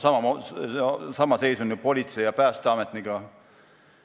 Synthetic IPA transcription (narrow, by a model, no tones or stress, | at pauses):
sɑmɑ | sɑmɑse̞jsuny̥po̞lʲit̪se̞jɑpæːst̪eɑmet̪niɡ̥ɑ